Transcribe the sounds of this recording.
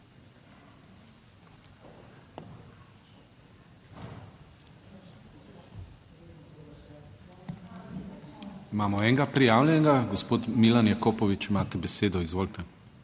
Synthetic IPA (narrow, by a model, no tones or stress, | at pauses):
imaːmɔɛːŋɡapɾijaːwlʲjɛŋɡaɡɔspoːt̪milanjakoːpɔʋit͡ʃimaːt̪ɛbɛseːd̪ɔizʋoːlt̪ɛ